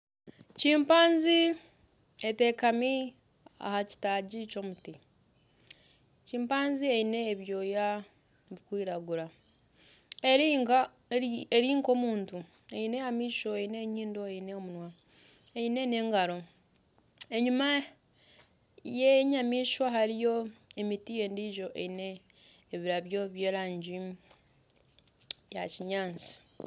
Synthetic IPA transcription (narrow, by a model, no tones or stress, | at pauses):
ciːmpaːnzi | ete̞kami | a̰haci̥taɟico̞muti | ciːmpaːnzieine̞ːβjo̞ːja | βikwiːɾaɡuɾa | eɾiŋɡa | eɾiːŋko̞ːmuːntu | eine̞jamiːʃo̞eine̞ɲiːndo̞eineomunwa | ejine̞ne̞ːŋɡaɾo̞ | e̞ɲuma | jeɲamiːʃwaɦaɾijo̞emitije̞ːndiʒo̞ʔḛine̞ː | βiɾaβjo̞βje̞ːɾaːɲɟi | jaciɲaːnt͡si̥